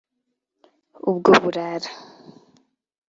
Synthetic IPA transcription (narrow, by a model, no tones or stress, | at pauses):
ubɡoβuɾaɾḁ